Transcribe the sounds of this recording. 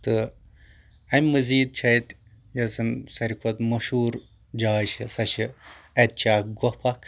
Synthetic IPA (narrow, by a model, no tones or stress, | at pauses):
t̪ɨ | ɐmʲmɐziːd̪̚t͡ʃʰɐjt̪ | jɐsɨnsɐɾʲikʰot̪mɐʃuːɾ | d͡ʒaːʃisɐʃiɐt̪̚t͡ʃaːk̚ɡɔhpʰɐk